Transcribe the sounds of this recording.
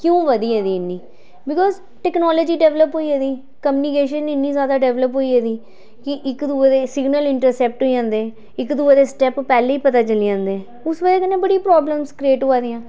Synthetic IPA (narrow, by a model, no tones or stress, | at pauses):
kjũːʋəd̪iːɛːd̪iːɪnːiː | bɪkɔːz | ʈɛːknɔːloːd͡ʒiːɖɛːʋləpɦoːiːɛːd̪iː | kəmjuːnikeːʃ̬ənɪnːiːzaːd̪aːɖɛːʋləpɦoːiːɛːd̪iː | kɪʔɪkd̪uːed̪eːsɪɡnəlɪɳʈəɾsɛːp̚ʈɦoːiãːnd̪eɛ̃ː | ɪkd̪ued̪eːsʈɛːppɛːleːiːpət̪aːt͡ʃəliːãːnd̪eɛ̃ | ʊsʋəd͡ʒeːkənːẽːbəɽipɾɔːbləmskɾeːʈoːaːd̪eːãː